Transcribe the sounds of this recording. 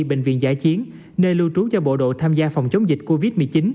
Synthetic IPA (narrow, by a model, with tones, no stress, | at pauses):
ɓḛ˧˨ŋ̟vḭ˧˨ənza̰ː˧˥˩t͡ɕi˨˦ən | nəː˧lu˧t͡ɕu˨˦t͡ɕɔ˧ɓo̰˧˨ɗo̰˧˨t̪ʰaː˧mzaː˧fa˨˩wŋ͡mt͡ɕə˨˦wŋ͡mzï˨˩k̟̚ko˧vi˦˥t̚mɨ˨˩əjt͡ɕi˨˦n